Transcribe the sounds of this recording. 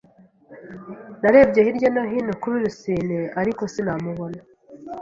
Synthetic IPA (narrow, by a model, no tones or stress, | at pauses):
naɾe̞ːbɟe̞hiɾɟo̞naɦinokuβiɾusiːneaɾiko̞sinamuβo̞na